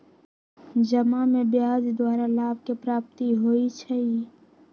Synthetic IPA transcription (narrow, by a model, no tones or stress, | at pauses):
d͡ʒəmamẽbɪjaːd͡ʒd̪waːɾalaːb̚kepɾaːp̚t̪iɦoːit͡ʃʰɛi